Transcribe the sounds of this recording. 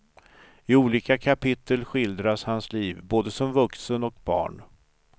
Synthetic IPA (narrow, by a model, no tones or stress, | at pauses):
ɪuːliːkakʰapʰɪt̪ʰːəlɧɪld̪ɾashansliːvboːd̪əsɔmvɵksənɔk̚bɑ̰ːɳ